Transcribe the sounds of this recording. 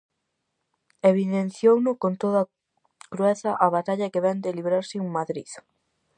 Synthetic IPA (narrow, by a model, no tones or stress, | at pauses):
eβiðen̟θjownʊkont̪oðɐ | kɾuɛθɐʔaβat̪aʎɐkeβɛnd̪ɪliβɾaɾsɪuŋmaðɾið